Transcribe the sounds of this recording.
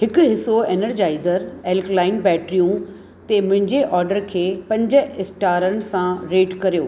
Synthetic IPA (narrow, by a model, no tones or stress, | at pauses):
ɦɪkʊɦɪsoeːnəɾd͡ʑaːɪzəɾeːlklaːɪnbɛːʈɾijũ | t̪emʊ̃ɦɪ̃ɲd͡ʑeʔɔːɾɖəɾkʰeːpɐ̃ɲd͡ʑəɪsʈaːɾən̆sãɾeːʈkɐɾijoː